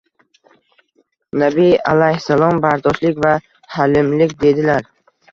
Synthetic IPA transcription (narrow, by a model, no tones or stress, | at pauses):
nabijalajhsalˠɒmbaɾd̪ɒʃlɪkʲva | halɪmlɪkʲd̪e̞d̪ɪlaɾ